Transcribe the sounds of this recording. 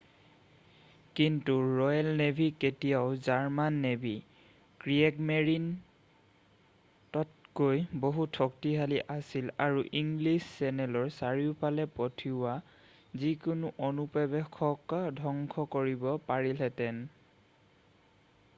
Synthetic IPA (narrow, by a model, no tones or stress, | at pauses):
kintuɹɔjalnebʱiketijaʊzaɹmanːebi | kɹiɛɡmeɹin | tɔt̚ɡojboɦutʰːɔk̚tiɦaliʔasilaɹuʔiŋɡlisːɛnɛlɔɹsaɹiʊpalɛpɔtʰiwa | zikʊnuʔonupɔbɛkʰɔkdʱɔŋkʰɔkoɹibɔpaɹilɛtɛn